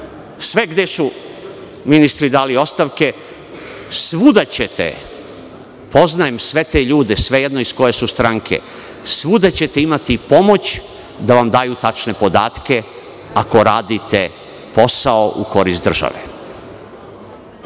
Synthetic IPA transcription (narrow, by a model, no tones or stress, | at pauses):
sʋe̞ɡd̪esu | minist̪ɾid̪aːlio̞st̪aʋke̞ | sʋud̪at͡ɕet̪ḛ | po̞znajemsʋe̞t̪eʎuːd̪esʋe̞jed̪noisko̞jesust̪ɾaŋkʰḛ | sʋud̪at͡ɕe̞t̪eimat̪ipo̞mo̞t͡ɕ | d̪aʋamd̪aːjut̪at͡ʃne̞po̞d̪aːt̪ke̞ | ako̞ɾaːd̪it̪e | po̞saoʔṵko̞ɾist̪d̪r̩ʒa̰ʋḛ